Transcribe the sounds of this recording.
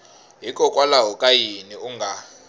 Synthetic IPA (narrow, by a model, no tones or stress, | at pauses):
ɦikʼɔkʼwalaɦɔkʼajiniuŋɡʱa